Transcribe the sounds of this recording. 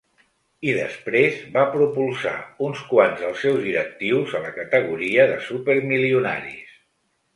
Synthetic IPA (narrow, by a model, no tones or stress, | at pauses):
iðə̰spɾezbapɾupulˠsa̰unskwanzðəlˠsːɛwzðiɾək̚t̪iwzələkət̪əɣ̞uɾiəðəsupəɾmiliuna̰ɾḭs